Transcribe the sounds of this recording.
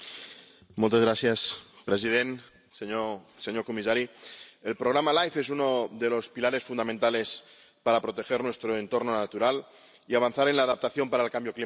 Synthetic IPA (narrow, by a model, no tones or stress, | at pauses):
molt̪ezɣɾaθjaspɾes̬ið̞en | seɲoseɲoɾkomisaɾielpɾoɣ̞ɾamalajfes̬unoðelospilaɾe̞sfunamẽnt̪ale̞s | paɾapɾot̪e̞xeɾnwe̞st̪ɾoent̪o̞ɾnonat̪uɾal | iaβ̞anθaɾenlaːðap̚t̪aθjo̞mpaɾaelkambjokli